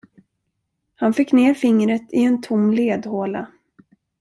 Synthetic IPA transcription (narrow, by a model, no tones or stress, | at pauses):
hanfɪkːneːɾfɪŋɾət̪ʰɪɛnt̪ʰʊmːleːd̪hoːla̰